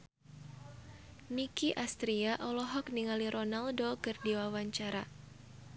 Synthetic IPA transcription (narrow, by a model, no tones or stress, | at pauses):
nikiʔast̪ɾiaʔɔlɔɦɔk̚niŋaliɾɔnaldokɨrdiwawaɲt͡ʃaɾa